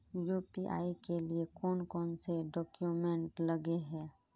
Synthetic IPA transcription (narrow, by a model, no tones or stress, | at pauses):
jupiʔa̰ːikeliekɔːnkɔːnseɖɔːkjumẽɳʈləɡeɦɛ̃ː